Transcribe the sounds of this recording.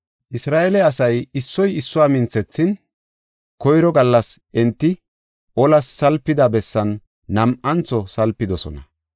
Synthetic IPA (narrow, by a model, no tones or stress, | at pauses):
ʔɪsɾaːʔɛlɛɐsɐjɪsːɔjɪsːʊwaːmɪnt͡sːɛt͡sːɪn | kɔjɾɔɡɐlːɐsʔɛnt̪ːɪ | ʔɔlɐsːɐlpːɪd̪ɐbɛsːɐnː | ɐmʔɐnt͡sːɔsɐlpːɪd̪ɔsɔ̰nɐ